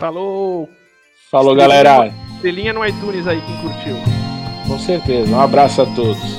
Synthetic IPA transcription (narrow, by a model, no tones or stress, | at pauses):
t̪alokʊ | faloɡalɛɾad̪elĩɲɐnʊ̃ajt̪ũnizaikɪ̃kuɾt͡ʃiwkõseɾt̪ezɐũabɾasʊat̪od̪ʊs